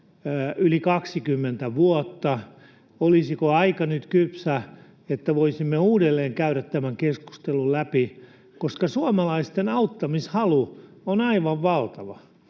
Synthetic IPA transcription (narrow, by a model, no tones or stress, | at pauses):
ylikɑksikymːent̪æʋuot̪ːɑ | olisikoɑikɑnyt̪kypsæ | et̪ːæʋoisimːeuːdelːeːŋkæyɾæt̪t̪æmæŋkesku̥st̪elullæpi | koskɑsuomɑlɑist̪enɑut̪ːɑmishɑlu | onɑiʋɑʋʋɑlt̪ɑʋɑ